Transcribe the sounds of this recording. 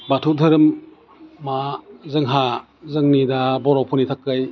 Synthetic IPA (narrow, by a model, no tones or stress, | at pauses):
batʰudʱɯɾɯmː | azɯŋɦa | zɯŋnidabɔɾɔwpʰɔnitʰakːaj